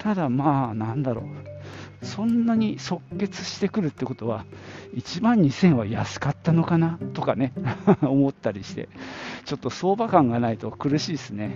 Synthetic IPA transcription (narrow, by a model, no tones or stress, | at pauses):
t̪ʰad̪amaːnãnd̪aɾo̞̰ | sõ̞nːaɲ̟iso̞kːe̞t͡sɨ̥ɕi̥t̪e̞kɯ̟ɾɯ̟t̪ːeko̞t̪o̞βait͡ɕibãɲ̟ɲisẽ̞ɰ̃βajasɨ̥kat̪ːano̞kanat̪o̞kane̞omo̞t̪ːaɾʲiɕi̥t̪e̞̰t͡ɕo̞t̪ːo̞so̞ːbakãŋɡanait̪o̞kɯ̟ɾɯ̟ɕiːsɨne